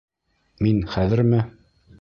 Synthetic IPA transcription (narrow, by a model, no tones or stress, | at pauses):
minχæðɘ̆ɾmɘ